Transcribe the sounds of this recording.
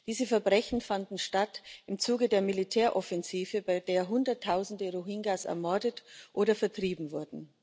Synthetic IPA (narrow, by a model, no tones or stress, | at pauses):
d̥iːzəfɛɐbʁɛçn̩fandn̩ʃtatɪmt͡suːɡədeːɐmilitʰɛːɐʔɔfɛnziːvəbaɪdeːɐɦʊndɐtʰːaʊzn̩dəʁuɦiŋɡasɛ̰ɐmɔɐdətʔoːɾɐfɛɐtʁ̥iːbm̩vʊɐdn̩